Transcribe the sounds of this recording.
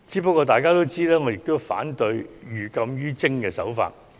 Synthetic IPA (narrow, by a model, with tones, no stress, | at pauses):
t͡siː˨˥pɐ˥kːɔː˧t̪aː˨jkaː˥t̪o˥wt͡siː˥lɛː˥ŋɔ˨˧jɪ˨k̚t̪o˥wfa̰ː˨˥nt̪ɵ˧ɥjyː˨kɐ˧mjyː˥t͡sɪ˥ŋkɛː˧sɐ˨˥wfa̰ː˧t̚